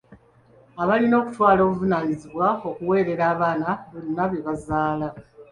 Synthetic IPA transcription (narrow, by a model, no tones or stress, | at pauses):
aβalino̞ːku̥twaːlo̞ːβuvunaːɲiziβwao̞kuwe̞ːɾe̞ɾaːβaːnaβonːaβjeβazaːla